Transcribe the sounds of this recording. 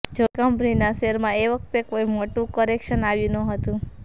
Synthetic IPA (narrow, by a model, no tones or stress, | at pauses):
d͡ʒokəmpninaʃeɾmãeʋək̚ʰt̪ekoimoʈũkɔɾekʃənaʋjũnəɦət̪ũ